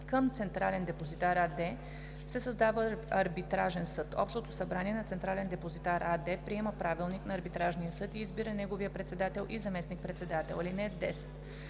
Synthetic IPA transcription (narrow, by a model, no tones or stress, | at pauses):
kəmt̪sɛnt̪ɾalɛnd̪ɛpozit̪aɾad̪ɛ | sɛsəzd̪avəɐɾbit̪ɾaʒɛnsɤt̪ɔ̰pʃt̪ot̪osɐbɾaniɛnɐt̪sɛnt̪ɾalɛnd̪ɛpozit̪aɾʔad̪ɛpɾiɛməpɾavilˠniknɐːɾbit̪ɾaʒnijəsɤt̪iːzbiɾənɛɡoviəpɾɛt̪sɛd̪at̪ɛlˠʔizɐmɛsnik̚pɾɛt̪sɛd̪at̪ɛ̰lˠilinɛd̪ɛsɛ̥t̪